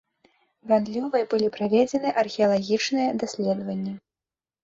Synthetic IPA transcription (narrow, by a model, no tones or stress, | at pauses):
vand̪lʲɔvɨjɐbɨlʲipɾavʲed͡zʲɛnɨʔɐrxʲɛɐlˠaɣʲit͡ʂnɨjɛd̪asʲlʲɛd̪vɐnʲːɐ